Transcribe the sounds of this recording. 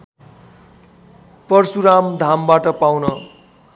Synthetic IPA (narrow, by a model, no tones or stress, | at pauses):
pʌrsuɾamd̪ʱambaʈʌpawnʌ